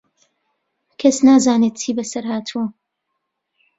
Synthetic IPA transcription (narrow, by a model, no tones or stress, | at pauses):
kʰɐsnaːzaːneːt̪̚t͡ʃʰiːbɐsɐɾɦaːt̪ʰuwɐ